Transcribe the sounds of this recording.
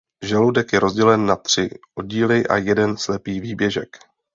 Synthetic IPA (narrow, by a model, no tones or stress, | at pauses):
ʒɛlowdɛkjɛɾo̞zɟɛlɛnːat̪r̝̥ɪʔo̞ɟiːlɪʔa̰jɛdɛnslɛpiːviːbjɛʒɛ̰k